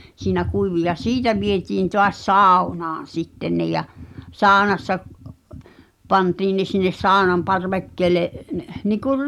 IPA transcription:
siːnæ kuiʋi jɑ siːtæ ʋietiːn toɑs sɑˑu̞nɑːn̞ sitːen ne jɑ sɑːŏnɑsːɑ pɑntiːn ne sinːes sɑːŏnɑm pɑrʋekːeːle nikur

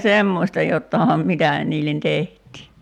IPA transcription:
semːoˑsʲtɑ jotːɑˑĭhɑm mitæ niːlːen tehtˑiː

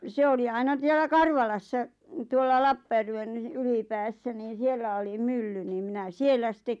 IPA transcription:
se oli ɑinɑ s̆ielːæ kɑrʋɑlɑsːɑ tuolːɑ lɑpːɑjærʋen ylipæːsːæ niːn̞ sielːæ oli mylːy niːm minæ sielːæ sitːek

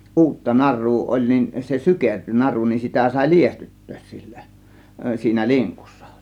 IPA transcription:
ʔuːtːɑ nɑrˑuː olʲ nin se sykerty nɑru nin sitæ sɑˑe̝ liestytːøːs si̥l̥ːæ̥ siːnæ liŋkusːɑ̥

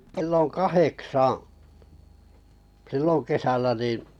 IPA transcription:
kĕlːo kɑheksɑ̃ː silːon̞ kesælːæ nĩː

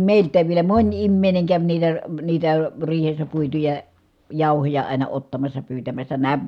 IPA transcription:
meˑiltˑæːʋ ʋielæ monʲ imːeˑi̯ne kæʋ niːtæ niːtæ riːhesːæ puitujɑ jɑˑuhojɑ ɑˑinɑ otːɑmɑsːɑ pyːtæmæsːæ næː

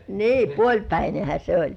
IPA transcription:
ni puolʲpæinehæ se olʲ

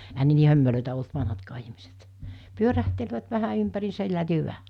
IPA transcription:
ehæn ne niː hømːeløˑetæ olt ʋɑnhɑtkɑː ihmiset pyøræhtelʋæt ʋæhæ ympæriːsæ hyʋæ

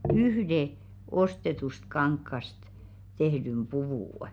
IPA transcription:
yhde ostetust kɑŋkːɑst tehdym b̥uʋuˑ

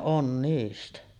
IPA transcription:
ʔon niːstæ

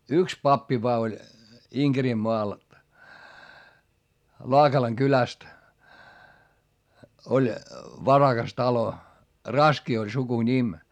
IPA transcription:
yks pɑpːi ʋoɑ olʲ iŋɡ̊erimːoɑl lɑːkɑlɑŋ kylæst olʲ ʋɑrɑɡ̊ɑs tɑlo rɑski olʲ sukunʲim

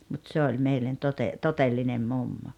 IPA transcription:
mut se olʲ meilːen tote totelːinem mumːo

